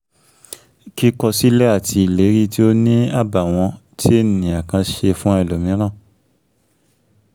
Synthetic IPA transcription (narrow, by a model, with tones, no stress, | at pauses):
ki˦kɔ˧si˦lɛ˦a˦˨tʰi˧i˨le˨˦ɾi˦ti˦o˦nĩ˦a˦˨ba˨w̃ɔ̃˧tʰi˦e˦˨nĩ˨a˨kã˧ʃe˧fũ˦a˧i˨lo˨mĩ˨˦ɾ̃ã˦˨